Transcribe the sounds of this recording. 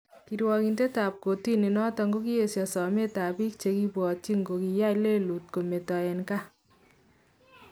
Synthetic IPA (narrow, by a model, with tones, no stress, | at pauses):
kiɾwɔ˧ki˨nte˦ta˨p̚ko˨ti˦ni˨nɔ˦tɔ˧ŋɡo˦ki˦e˨sjɔ˨sɔ˨me˦ta˨bi˦k̚t͡ʃe˧ki˦pwɔ˨ti˦ŋɡo˨kija˦jle˦lu˨t̚ko˨me˨tɔ˨e˨nka˦